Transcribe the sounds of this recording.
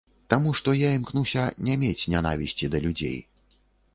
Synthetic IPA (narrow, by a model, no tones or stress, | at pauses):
t̪amuʂt̪ɔjaimknusʲɐnʲɛmʲet͡sʲnʲana̰vʲisʲt͡sʲid̪ɐlʲud͡zʲḛj